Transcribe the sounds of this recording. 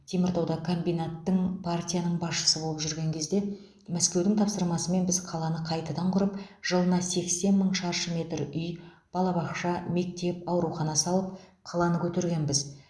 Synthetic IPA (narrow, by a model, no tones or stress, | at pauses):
t̪ʰemɪɾt̪ɑwd̪ɑkʰo̞mbijnat̪ːəɴpʰart̪ʲijanəɴbɑsʃə̥səbolˠəpʒʏɾɡʲe̞ŋkʲʰe̞zd̪e̞ | mæskʲe̞wd̪ɪŋt̪ʰɑpsəɾmɑsəme̞nbɪzqʰɑlˠɑnəqʰɑjt̪ɑd̪ɑɴqʰʊɾəpʒ̥əlˠənɑse̞kse̞nməɴʃɑɾʃəmʲe̞t̪ɾʏj | b̥ɑlˠɑbɑqʃɑme̞k̚t̪e̞pɑwɾuχɑnɑsɑlˠəp̚qʰɑlˠɑnəkʲʰɵt̪eɾɡʲe̞nbɪz